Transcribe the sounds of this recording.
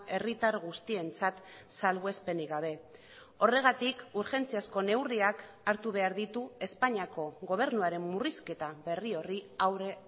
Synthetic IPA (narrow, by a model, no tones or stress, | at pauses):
e̞rit̪aɾɣust̪ie̞nt͡sat̪salβoe̞spe̞niɣaβ̞e̞ | o̞re̞ɣ̞at̪ikuɾʝe̞nt͡siasko̞ne̞wriak | aɾt̪uβ̞e̞aɾðit̪ue̞spaɲiako̞ɣo̞β̞e̞ɾnuaɾe̞mːuriske̞t̪aβe̞rio̞riawɾe